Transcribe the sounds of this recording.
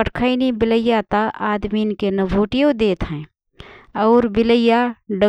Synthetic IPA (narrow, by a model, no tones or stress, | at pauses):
pəʈʰkʰainibɪləjːat̪aaːd̪minkenɐbʱuːʈijõd̪eːt̪ɦɛ̃ː | ɔːɾbɪləjaɖə